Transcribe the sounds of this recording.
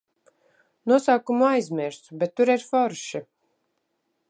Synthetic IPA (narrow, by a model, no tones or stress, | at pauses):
nuɔsaːkumuajzmʲiɾsbɛt̪ːuɾiɾfɔɾʃi